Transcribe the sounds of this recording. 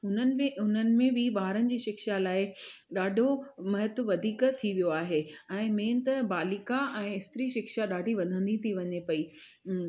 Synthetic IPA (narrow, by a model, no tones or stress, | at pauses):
ɦʊnənɪ̆mẽʊn̤ənɪ̆mẽʋiɓaːɦɾənɪ̆d͡ʑiːʃɪkʃalaːɪɗaːɖʱomɐɦɪt̪ʋɐd̪ʱiːkt̪ʰiʋijoaːɦeɛ̃ːmẽːnt̪ɐbaːlɪkaʔɛ̃ːɪst̪ɾiʃɪkʃaɗaːɖʱiʋɐnd̪ʱə̃nd̪it̪ʰiʋɐɲepɐiː